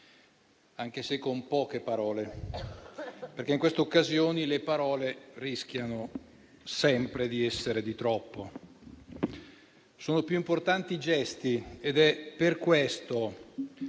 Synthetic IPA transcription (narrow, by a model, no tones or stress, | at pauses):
aŋk̟esekːompɔːkepaɾɔːle | perk̟eiŋkwest̪eokːazjoːnilepaɾɔːlerisk̟ʲjano | sɛmpɾed̪iɛsːeɾed̪it̪ɾɔpːo | soːnopjuimport̪ant̪id͡ʒɛst̪ied̪ɛpːerkwest̪o